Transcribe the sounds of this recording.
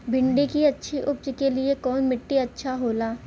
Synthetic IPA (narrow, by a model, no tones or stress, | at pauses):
bʱɪ̃ɳɖikiɐtːʃʰiʔʊpd͡ʒkeliekɔːnmɪʈːiɐtːʃʰaɦoːlaː